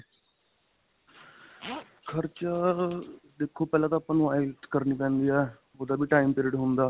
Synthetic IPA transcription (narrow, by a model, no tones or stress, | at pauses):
kʰəɾt͡ʃaː | d̪eːkʰːoːpɛːlãːt̪aːpãːnũːaːilkəɾniːpɛ̃ːnd̪iːɛː | oːd̪aːbʱiːʈaːimpiːɾɪːɖɦʊnd̪aː